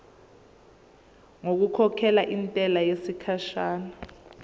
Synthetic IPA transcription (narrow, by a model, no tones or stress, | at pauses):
ŋok̬ukʰɔkʰɛlaʔintʼɛlajesikʰaʃaːna